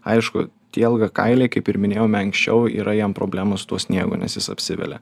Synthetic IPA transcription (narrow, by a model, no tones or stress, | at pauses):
ɐɪʃkʊ̰ | t̪ʲiːlˠɡɐkɐ̰ɪlʲeɪkɐɪpɪɾmʲɪnʲeːjoːmʲɛɐŋksʲt͡ʃʲɛʊḭːɾɐjɛmpɾo̰ːbʲlʲæːmosʊ̥t̪uɔsʲnʲiɛɡʊ̰ːnʲɛ̰sjɪsɐ̰pʲsʲɪʋʲɛ̰lʲɛ̰